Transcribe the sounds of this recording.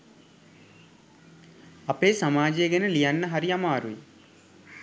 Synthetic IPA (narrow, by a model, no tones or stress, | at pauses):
ɐpeːsɐmaːd͡ʒeːɡɐnɐlijɐnːɐɦɐɾijɐmaːɾui